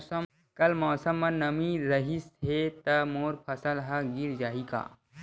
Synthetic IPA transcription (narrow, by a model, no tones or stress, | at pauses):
ə | kɐlmɔːsəmːɐ̃nnɐmiɾɐɦiset̪ɐmoːɾpʰɐsəlɦɐɡɪɾd͡ʒaːika̰ː